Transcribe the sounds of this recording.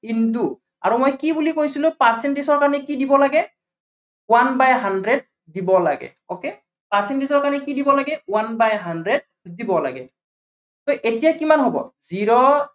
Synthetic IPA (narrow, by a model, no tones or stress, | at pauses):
kintu | a̰ɹumojkibulikojsilʊ̃paɹsɛntesɔɹkanɛkidibɔlaɡɛ | wanbajɦandɹed̚ | dibɔla̰ɡɛ̰ | oke | paɹsɛntesɔɹkaɹnɛkidibɔlaɡɛwanbajɦandɹed̚ | dibɔla̰ɡɛ̰ | toʔetijakimanɦobɔ̰ziɹɔ